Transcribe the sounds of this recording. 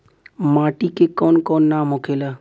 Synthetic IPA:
maːʈikekɔːnkɔːnːaːmõkʰeːlaː

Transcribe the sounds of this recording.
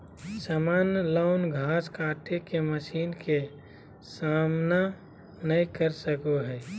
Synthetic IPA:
saːmaːnəlaʊnɡʱaːskaːʈekeməʃiːnke | saːmna | nəikəɾsəkoɦɛː

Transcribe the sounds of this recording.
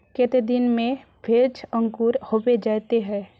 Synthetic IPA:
kɪt̪ed̪ɪnmẽ | pʰɪɾt͡ʃʰə̃ŋkuːɾhoːbed͡ʒaːt̪eɦɛ̃ː

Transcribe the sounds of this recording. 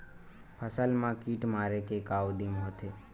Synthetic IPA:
pʰəsəlmãkiːʈmaːɾekekaːwd̪imɦot̪ʰe

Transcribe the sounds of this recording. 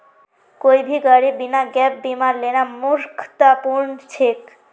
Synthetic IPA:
kojbʱiɡaɽibinaɡɛp̚bimaɾlenamuɾkʰt̪apuɾnt͡ɕʰek

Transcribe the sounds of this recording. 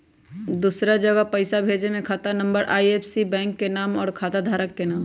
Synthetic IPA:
d̪uːsɾad͡ʒəɡəpɐɪsabʱeːd͡ʒemẽkʰaːt̪anə̃mbəɾʔaːieːpsibɛ̃ːŋkːenaːmɔːɾkʰaːt̪ad̪ʱaːɾəkːenaːm

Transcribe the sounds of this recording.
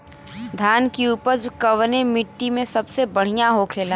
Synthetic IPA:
d̪ʱjaːnkiuːpəd͡ʒkɐʋnemɪʈːimẽsɐbsebɐɽ̤ijaɦokʰeːla

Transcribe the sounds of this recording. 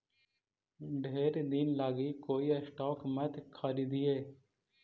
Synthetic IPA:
ɖʱeːɾd̪inlaːɡikoːiːəsʈɔːkmət̪kʰːaːɾiːd̪iːeː

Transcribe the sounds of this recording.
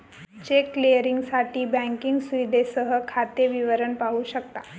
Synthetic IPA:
t͡ɕekːlijəɾiŋɡsaʈiːbɛ̃ŋkiŋɡsuid̪esəɦəkʰat̪eʋiʋəɾəɳpaɦuːɕəkt̪a

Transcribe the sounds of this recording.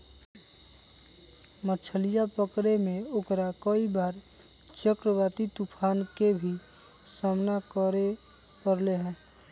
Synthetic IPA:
mət͡ʃʰəlijapəkɾemẽʊkɾakəibaːɾ | t͡ʃəkɾəbaːt̪it̪upʰaːnkebʱi | saːmnakəɾe | pəɾleɦɛ̃ː

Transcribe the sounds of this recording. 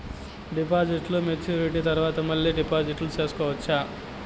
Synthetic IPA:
ɖipaːd͡ʒiʈlumet̪ʰjuːɾiʈit̪ɐɾʋaːt̪ɐmɐlːiɖipaːd͡ʒiʈlut͡ʃeːsu̥kɔːʋɐt͡ʃːaː

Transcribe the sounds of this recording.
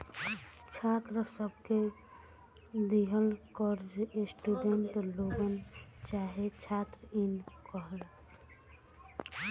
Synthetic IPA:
t͡ʃʰat̪ɾəsəb̚ʱke | d̪iɦəlkəɾd͡ʒesʈuɖeɳʈloɡənt͡ʃaɦet͡ʃʰat̪ɾəinkəɦəl

